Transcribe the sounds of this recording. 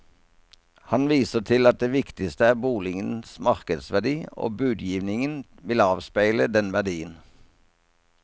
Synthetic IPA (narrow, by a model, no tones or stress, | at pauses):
hɑnʋiːsəʁt̪ʰɪlɑt̪̚d̪eːʋɪkt̪ɪst̪əæːbuːlɪŋənsmɑʁkəd̪sʋæd̪iːo̰ːbʉːd̪jiːʋnɪŋən | ʋɪlɑːʋspæɪləd̪ɛnʋæʁɖ̪iːən